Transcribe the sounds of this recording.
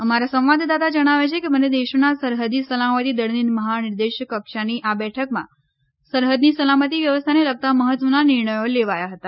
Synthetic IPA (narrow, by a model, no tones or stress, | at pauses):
əmaɾasə̃ʋʋad̪ʱd̪at̪ad͡ʒəɽ̃aʋet͡ʃʰekeməned̪eʃonasəɾɦəd̪nisəlamət̪id̪əɽninməɦanɪɾd̪eʃkəkʃaniʔabɛʈʰəkmã̰ | səɾɦəd̪nisəlamət̪iʋjəʋəst̪ʰaneləɡ̚t̪aməɦət̪ʋənanɪɾɳ̃əjoleʋajaɦət̪a